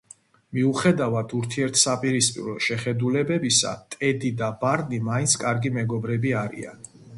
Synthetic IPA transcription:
miuχɛd̪avad̪ʰuɾt̪ʰiɛɾt̪ʰsapʼiɾispʼḭɾɔʃɛχɛd̪ulɛbɛbisa̰t̪ʼɛd̪id̪abaɾnimaint̪sʰkʼaɾɡimɛɡɔbɾɛbiaɾḭa̰n

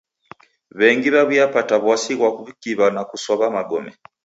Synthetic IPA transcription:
βɛŋɡiβaβujapataβwasiɣwakuβikiβanakusɔβamaɡɔmɛ

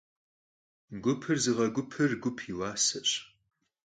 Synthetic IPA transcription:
ɡʷʊpʰɨrzɨʁɐɡʷʊpʰɨrɡʷʊpʰiwaːsɐɕʼ

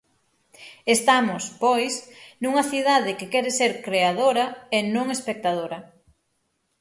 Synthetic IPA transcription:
est̪amʊspojsnuŋɐθiðaðɪkɪkɛɾeseɾkɾeaðoɾɐenõŋespek̚t̪aðoɾɐ

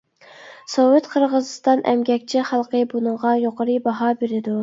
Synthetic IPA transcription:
sowɪt̪qʰəɾʁəzɨst̪ɑnʔɛ̰mɡʲɛkʲt͡ʃʰɪχɑlˠqʰəbunɨŋʁɑjoqʰəɾɨbɑɦɑbeɾɪd̪u

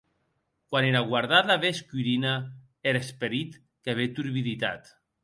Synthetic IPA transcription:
kwaneɾaɣwaɾðaðaβeskiɾina | eɾespeɾit̪ | keβet̪uɾβiðit̪a̰t̪

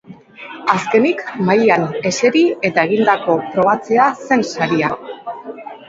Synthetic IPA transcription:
aske̞nikmajane̞se̞ɾie̞t̪ae̞ɣ̞ind̪ako̞pɾo̞βat͡se̞ase̞nsaɾia

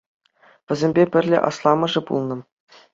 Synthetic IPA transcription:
ʋʲɘ̆zʲemʲbʲepʲɘ̆rʲlʲḛʔɑ̰slˠɑmɤ̆ʐɘ̆pṵlˠnɤ̆

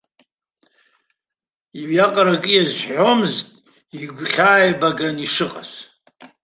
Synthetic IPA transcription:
iɥjaqʼaɾakʼɨjazʷħħo̞mɨztʼ | iɡʷχʲaːjbaɡaniʂɨqʼa̰s

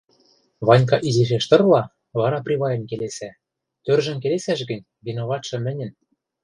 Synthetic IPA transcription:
βɑnʲk̬ɑʔiziʃ̬eʃt̪ɤ̆rlɑ | βɑɾɑprʲiβɑjɤ̆nʲkelesæ | t̪ørʒɘ̆mkelesæʃɡɘ̆nʲ | βinoβɑt̪ʃɤ̆mɘ̆nʲɘ̆n

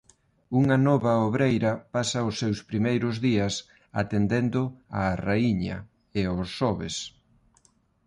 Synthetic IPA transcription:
uŋɐnɔβɐoβɾejɾɐpasɐʊsːewspɾimejɾʊzðiɐs | a̰t̪end̪end̪ʊa̰raiɲɐ̰ | ɪʊsːɔβes

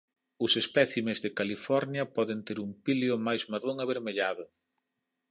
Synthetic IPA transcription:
ʊsespɛθimezðɪkalifɔɾnjɐpɔðent̪eɾumpiljʊmajzmaðoŋaβeɾmeʎaðʊ

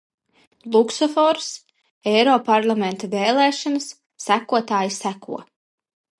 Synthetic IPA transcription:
lˠuksɔfɔɾs | ɛɾɔːpaɾlˠamɛ̃nt̪aveːlˠɛːʃɔnɨsː | ækuɔt̪aːjisækṵɔ

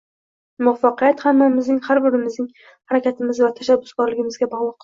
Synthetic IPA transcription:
mʊfɑqɨjat̪hamːamɪznɪŋhaɾbɪɾɪmɪznɪŋ | haɾakʲʰat̪ʰɪmɪzvat̪ʰaʃabːʊsɡɒɾlɪɡʲɪmɪzɡʲabɒʁlˠɑq

